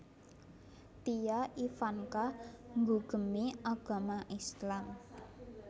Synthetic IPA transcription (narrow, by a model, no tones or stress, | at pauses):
t̪ijaʔifankaŋɡuɡ̥ə̤miaɡ̥a̤maʔislam